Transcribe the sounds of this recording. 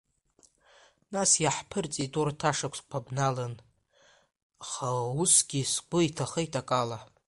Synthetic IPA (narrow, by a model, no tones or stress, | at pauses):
nasjaħpʰɨrt͡sʼitʼurtʰaʂakʷʰskʷʰabnalɨn | aχausɡʲiskʷʊitʰaχəjtʼakʼala